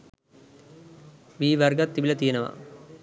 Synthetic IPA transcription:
ʋiːʋɐrɡɐt̪ːibilɐt̪ijɐnɐʋɐ̰

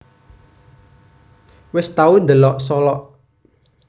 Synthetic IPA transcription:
wɪst̪aund̪əlɔʔsɔlɔʔ

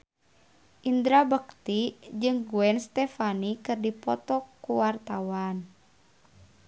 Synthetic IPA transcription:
ʔind̪ɾabək̚t̪id͡ʒɨŋɡuɛnst̪ɛfanikɨrdipɔ̰t̪ɔkːuwart̪awan

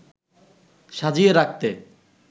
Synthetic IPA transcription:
ʃad͡ʑieɾak̚t̪e

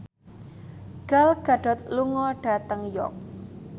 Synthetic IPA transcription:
ɡ̥alɡ̥a̤ɖ̥ɔ̤t̪luŋɔɖ̥a̤t̪əŋjɔ̰k̚

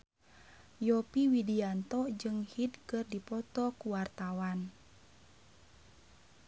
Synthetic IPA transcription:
jɔpiwidiant̪ɔd͡ʒɨŋhidkɨrdipɔt̪ɔkuwart̪awan

